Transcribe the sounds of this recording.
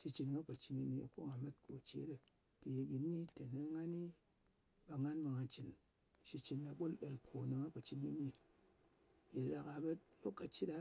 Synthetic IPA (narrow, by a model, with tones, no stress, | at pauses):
ʃi˧t͡ʃi˧n˨ŋa˦pa˨t͡ʃi˧ni˧ni˧a̰˨ko˦ŋa˨me˦tko˨t͡ʃḛ˨˦dɨ˨ | pi˨je˨ɡʲi˨nmi˦te˨nɨ˦ŋa˦ni˦ | ba˧ŋa˦nba˧ŋa˨t͡ʃi˨n | ʃi˧t͡ʃi˧nːa˨˧ɓo˦lɗe˨lkʰo˨nɨ˧ŋa˦pa˨t͡ʃi˧nɡi˧ni˧ | bi˨la˧ka˧bɐ˦t̚lo˦kːa˨t͡ʃi˦da˦